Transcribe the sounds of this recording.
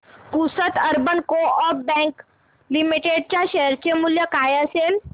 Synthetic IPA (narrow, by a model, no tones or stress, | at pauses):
pusət̪əɾbənkoɔbɛ̃ŋk | limiʈeɖ̚t͡ɕjaɕɛɦɾt͡ɕemuljəkajəsel